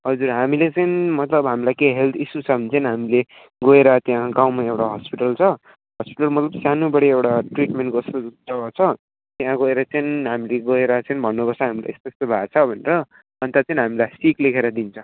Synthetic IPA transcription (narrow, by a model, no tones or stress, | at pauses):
ɦʌd͡zurɦamilet͡sʌjnmʌt̪lʌbɦamilajkeɦelt̪ʰisut͡sʰʌbʱʌnit͡sʌnɦamile | ɡʌeɾʌt̪jãɡaw̃maewʈaɦʌspiʈʌlt͡sʰʌ | ɦʌspiʈʌlmʌt̪lʌbsjanubʌɽiewɽaʈriʈmeɳʈɡʌst̪od͡zʌɡat͡sʰʌ | t̪jãɡʌeɾʌt͡sʌnɦamileɡʌeɾʌt͡sʌnbʱʌnːupʌrt͡sʰʌɦamila̰est̪ost̪obʱat͡sʰʌbʱʌneɾʌ | ʌnt̪at͡sʌinɦamilajsiklekʰeɾʌd̪int͡sʰʌ